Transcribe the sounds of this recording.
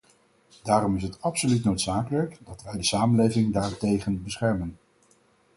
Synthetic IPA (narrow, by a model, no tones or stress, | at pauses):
daːɾɔmɪsɦətɑpsolytnowtsaːkələkdɑtʋɛjdəsaːmənlejvɪŋdaːɹtejχənbəsχɛɹmən